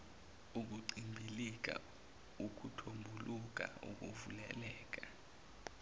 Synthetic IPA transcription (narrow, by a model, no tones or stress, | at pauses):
uk̬uǀimbʱilik̬a̰ | uk̬ʼutʰombʱuluk̬ʼa̰ṵk̬uvulɛ̰lɛːk̬ʼa